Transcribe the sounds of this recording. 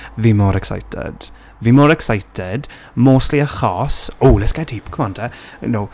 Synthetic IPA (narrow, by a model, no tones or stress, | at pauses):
vimɔɾɛksa̰jtʰɛ̰d̥ | vɪmɔɾɛksajtʰɛd | moːsliəχɔːsoːlɪskathiːpkʰəmɔ̃ntʰɛ | j̰now